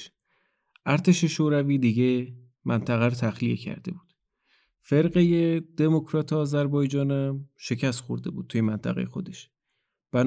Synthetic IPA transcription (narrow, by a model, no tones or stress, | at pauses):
ʔæɾt̪ʰe̞ʃe̞ʃoːɾæviːd̪iɟe | mʔænt̪ʰæɣæɾot̪ʰæxlijecʰæ̰ɾd̪̥e̞̰buːd̪̥ | fe̞ɾɣejed̪̥e̞mokʰɾɒːt̪ʰeɒːzæɾbɒːjd͡ʒɒːnæmʃe̞cʰæst̪xoɾd̪e̞buːd̪̚t̪ʰujemænt̪ʰæɣejexo̞d̪e̞ʃ | b̥æn